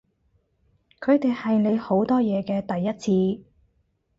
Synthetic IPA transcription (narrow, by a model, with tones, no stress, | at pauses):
kʰɵ˨˧ɥt̪e˨jhɐ˨jne˨˧jho˨˥wt̪ɔː˥jɛː˨˧kɛː˧t̪ɐ˨jːɐ˥t̚t͡sʰiː˧